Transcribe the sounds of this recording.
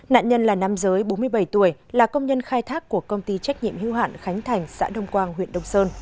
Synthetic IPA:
na̰ː˧˨nɲə˧nlaː˨˩na˧mzəː˨˦jɓo˨˦nmɨ˧əjɓə˧˩jt̪u˧˩əjlaː˨˩kə˧wŋ͡mɲə˧nxaː˧jt̪ʰaː˦˥kːu˧˩əkə˧wŋ͡mt̪i˧t͡ɕa˦˥k̚ɲḭ˧˨əmhi˧˦wɦa̰ː˧˨nxa˨˦jŋ̟t̪ʰa˨˩jŋ̟sa̰ː˧˥ɗə˧wŋ͡mkwaː˧nɦwḭ˧˨ənɗə˧wŋ͡msəː˧n

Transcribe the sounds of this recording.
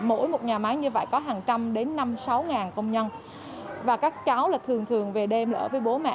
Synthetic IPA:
mo̰˧˥˨jmo˨˩t̚ɲaː˨˩maː˨˦jɲɨ˧və̰˧˨jkɔ˨˦ɦaː˨˩ŋt͡ɕa˧mɗe˨˦nːa˧msa˨˦wŋaː˨˩nkə˧wŋ͡mɲə˧n | vaː˨˩kaː˦˥k̚t͡ɕa˨˦wlaː˨˩t̪ʰɨ˨˩əŋt̪ʰɨ˨˩əŋve˨˩ɗe˧mlːə̰ː˧˩vəː˨˦jɓo˨˦mɛ̰˧˥

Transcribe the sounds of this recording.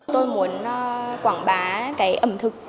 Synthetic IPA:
t̪o˧jmu˨˩ən˨˧kwaː˧˩nɓaː˨˦kaː˨˦jʔə˧˩mt̪ʰɨ˨˩k̚

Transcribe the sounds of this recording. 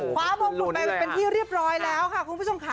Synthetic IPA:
kʰwaː˨˩˦mo˧˨pa˧pe˧nt̪ʰiː˥˩ɾi˥˩əp̚ɾɔː˦˥jlɛː˦˥wkʰa˥˩ku˧npu˥˩o˧mkʰa˦˩

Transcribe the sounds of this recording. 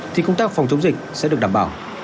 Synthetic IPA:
t̪ʰi˨˩kə˧ŋ͡mt̪aː˦˥k̚fa˨˩wŋ͡mt͡ɕə˨˦wŋ͡mzï˨˩k̚sɛ̰˧˥ɗɨ˨˩k̚ɗaː˧˨˩ɓa̰ː˧˩w

